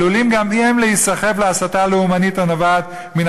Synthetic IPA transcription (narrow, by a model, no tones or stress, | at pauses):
ulimɡamiemlehisaχe̞vleasataleumanitanavat̪ | min